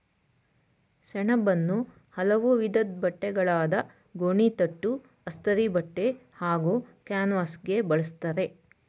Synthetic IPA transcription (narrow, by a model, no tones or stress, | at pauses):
sɛɳɐbɐnːu | hɐlɐʋuʋid̪ɐd̪̚bɐʈːɛɡɐɭaːd̪ɐ | ɡoɳit̪ɐʈːu | ɐst̪ɐɾibɐʈːe̞haːɡuːkjaːnʋaːsɡe̞bɐɭɐst̪ɐɾe̞